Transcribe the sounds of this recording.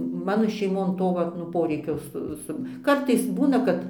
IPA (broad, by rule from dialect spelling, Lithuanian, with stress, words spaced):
ˈmɑːnoː ʃʲɛɪˈmoːn ˈtoː ˈʋɐt nʊ ˈpoːrʲɛɪkʲoː ˈsʊ ˈsʊ ˈkɐrtɐɪs ˈbuːnɐ kɐt